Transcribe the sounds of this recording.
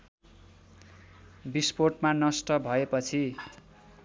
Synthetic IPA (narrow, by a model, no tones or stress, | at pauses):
bisporʈmanʌsʈʌbʱʌepʌt͡sʰi